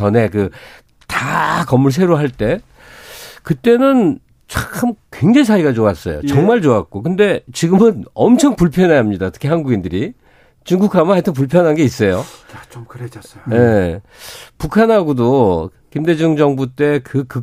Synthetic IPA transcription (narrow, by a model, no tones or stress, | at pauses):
ʌne̞kɯ | takʌmːuɭs̬ʰeɾoɦaɭt͈e̞ | kɯt͈e̞nɯn | t͡ɕak͈ɯmkweŋd͡ʑais̬ʰaiɡad͡ʑoas͈ʌ̰jo̰t͡ɕʌŋmaɭt͡ɕoak̚k͈okɯnde̞t͡ɕiɡɯmɯnʌmt͡ɕʰʌŋpuɭpʰjʌneamɲidatʰɯ̥kʰe̞hanɡuɡindɯɾi | t͡ɕuŋɡukʰamɯnatʰɯnp̬uɭpʰjʌnɦanɡe̞is͈ʌjokɾje̞ | pukʰanɦaɡodo | kimde̞d͡ʑuŋd͡ʑʌŋbut͈e̞kɯkɯ